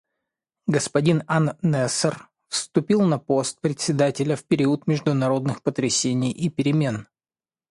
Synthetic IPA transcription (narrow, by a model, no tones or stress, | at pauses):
ɡəspɐdʲinanːɛsər | fst̪ʊpʲilˠnɐpo̞st̪̚pɾʲɪt̪ʲsʲɪd̪atʲɪlʲəfpʲɪɾʲiʊt̪mʲɪʐd̪ʊnɐɾo̞d̪nɨxpət̪ɾʲɪsʲenʲɪjʔipʲɪɾʲɪmʲe̞n